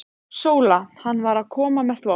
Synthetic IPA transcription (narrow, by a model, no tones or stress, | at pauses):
soːwlahanːvaɾaðkʰɔːmamɛðθvo